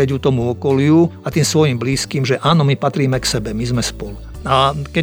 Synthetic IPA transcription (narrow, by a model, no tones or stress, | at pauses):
ɛɟut̪ɔmuɔkɔliuat̪iːmsʋɔjimbliːskiːmʒɛʔaːnɔmipat̪ɾiːmɛksɛbɛmizmɛspɔlu | akɛ